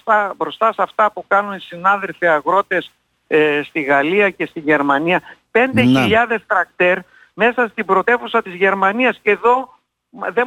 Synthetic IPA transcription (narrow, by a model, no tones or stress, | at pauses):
ɐbɾo̞st̪ɐsɐft̪ɐpukɐnunisinɐðe̞lfiɐɣɾo̞t̪e̞s | st̪iɣɐliɐce̞st̪iʝe̞ɾmɐniɐpe̞nd̪e̞çiʎɐðe̞st̪ɾɐkt̪e̞ɾ | me̞sɐst̪ibɾot̪e̞fusɐt̪izʝe̞ɾmɐniɐsce̞ðo̞ | ðe